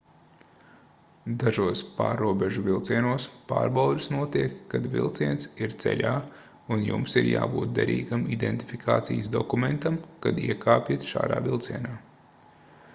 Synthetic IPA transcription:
d̪aʒuɔspaːɾːuɔbeʒuvilˠt̪siɛnuɔspa̰ːɾbawd̪ʲisnuɔt̪iɛkːad̪vḭlˠt̪siɛnt̪siɾt̪sɛ̰ʎʲaː | unjṵmsiɾja̰ːbuːt̪̚d̪ɛɾḭːɡamid̪ḛnt̪ifikʰaːt̪sḭjsd̪ɔkumɛnt̪amkad̪iɛkʰaːpʲit̪ʃa̰ːd̪a̰ːvilˠt̪siɛnaː

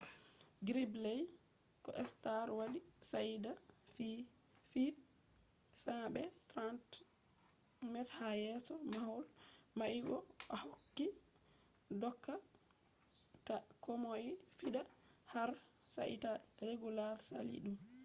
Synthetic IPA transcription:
ɡɾiblɛj | kɔʔɛstaɾwaɗisadafi | fit | saɓɛtɾant | mɛthajɛsɔmahulmaʔibɔahokːi | dɔkːa | takɔmojifiɗahaɾ | sa̰ʔḭtaɾeɡulaɾsa̰lḭɗum

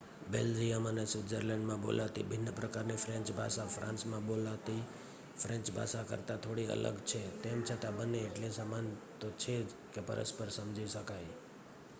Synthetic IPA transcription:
beld͡ʒijamənesɪd͡ʒəɾlɛ̃ɳɖmãbo̰lʔat̪ḭbʱɪnːpɾəkaɾnifɾɛ̃ɲt͡ʃbʱa̰ʃafɾãnsmãbolat̪i | fɾɛ̃nt͡ʃbʱa̰ʃakə̰ɾt̪ãt̪ʰoɽiə̰lə̰ɡt͡ʃʰet̪emt͡ʃʰət̪ãbəneːʈlesamant̪ot͡ʃʰe | kepə̰ɾə̰spəɾsəmd͡ʒiʃəkaj

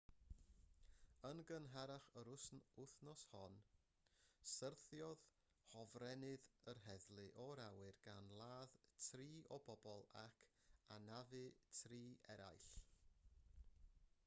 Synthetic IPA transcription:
ənɡənɦaɾaχəɾʊsnʊθnɔshɔn | sərθjɔð | hɔvrɛnɨðərɦɛðlˠɨʔɔɾawɨrɡ̥a̰nlˠaːðtʰriːʔɔbɔbɔlˠakʰanavɨtʰriːɛɾa̰jɬ

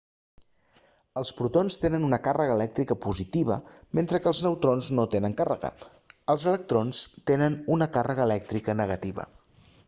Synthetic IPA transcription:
əlˠspɾut̪onst̪enənunəkarəɣəːlɛk̚t̪ɾikəpuzit̪iβ̞ə̰ment̪ɾəkəːlˠznəwt̪ɾonznot̪enəŋkarəɣə̰ | əlˠzələk̚t̪ɾonst̪enənunəkarəɣəːlɛk̚t̪ɾikənəɣət̪iβə̰

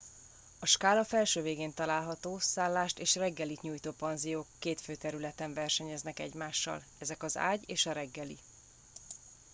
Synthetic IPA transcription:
ɒʃkaːlɒfɛlʃøːveːɡeːnt̪ɒlaːlɦɒt̪oːsaːlːaːʃt̪eːʃrɛɡːɛlit̪ɲuːjt̪oːpɒnzijoːkːeːt̪føːt̪ɛɾylɛt̪ɛɱvɛrʃɛɲɛznɛkɛ̰ɟmaːʃːɒ̰l | ɛzɛkɒza̰ːɟeːʃɒɾɛɡːɛlḭ

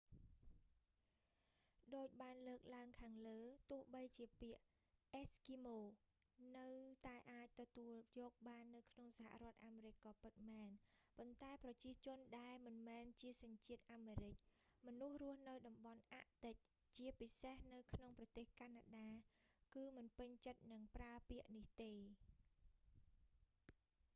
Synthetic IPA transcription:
ɗoːc̚ɓaːnləːk̚laəŋkʰaːŋləːt̪ʊ̆əhɓəjt͡ɕiəpiəʔ | ʔɛskimoː | nɨwt̪aɛʔaːc̚t̪ɔt̪uəljɔːk̚ɓaːnːɨwkʰnoŋsaha̰ʔrŏət̪̚ʔaːmeːɾɨc̚kɑːpɨt̪̚mɛːnpont̪aɛprɑt͡ɕiət͡ɕʊ̆ənɗaɛlmɨnmɛːnt͡ɕiəsɑɲt͡ɕiət̪̚ʔaːmeːɾɨc̚mɔnuhrʊəhnɨwɗɑmɓɑnʔaʔt̪ɨc̚ | t͡ɕiəpisehnɨwkʰnoŋprɑt̪eːhkaːnaːɗaːkɨːmɨnpɨɲt͡ɕət̪̚nɨŋpraəpiəʔniht̪eː

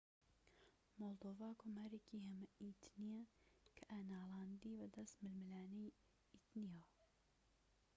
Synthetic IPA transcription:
molˠd̪oːvɑːkʰoːmaːɾekiɦɛmɐit̪ʰnijakʰɨʔanaːlɑːnd̪iːbəd̪ɐst̪mɨlmɨlaːnej | it̪nijaː

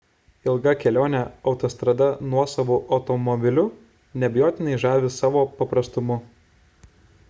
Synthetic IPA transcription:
ɪlˠɡɐkʲɛlʲoːnʲɛɒʊt̪ɔst̪ɾɐd̪ɐnuɔsɐʋuːʔɒʊt̪ɔmɔbʲɪlʲʊ | nʲɛbʲɪjoːt̪ʲɪnɐɪʒɑːʋʲɪsɑːʋoːpɐpɾɐst̪ʊmʊ

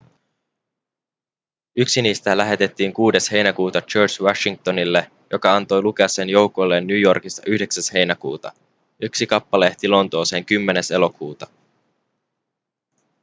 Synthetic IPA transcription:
yksiniːst̪ælæɦe̞t̪e̞t̪ːiːŋkuːde̞she̞jnækuːt̪ɑt͡ʃøːrt͡ʃwɑʃiŋk̚t̪o̞nilːe̞ | jo̞kɑɑnt̪o̞jluk̟e̞ɑsːenjo̞wko̞jlːe̞nːyːjo̞rkist̪ːɑʔyhde̞ksæshe̞jnækṵːt̪ɑ̰ | yksikɑpːɑle̞ht̪ilo̞nt̪o̞ːse̞ŋkymːe̞ne̞se̞lo̞kuːt̪ɑ

